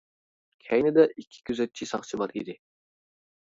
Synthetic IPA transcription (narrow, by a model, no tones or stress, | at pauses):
kʲʰɛjnɪd̪ɛʔikʲʰːi̥kʲʰyzɛt̪̚t͡ʃʰisɑχt͡ʃʰibɑɾid̪ɪ